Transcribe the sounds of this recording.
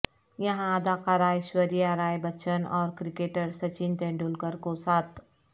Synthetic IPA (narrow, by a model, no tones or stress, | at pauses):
jɐɦãəd̪aːqaɾaːjʃʋəɾijaɾaːjbət͡ʃənɔ̰ːɾkɾikeʈəɾsət͡ʃint̪ẽɳɖulkəɾkosaːt̪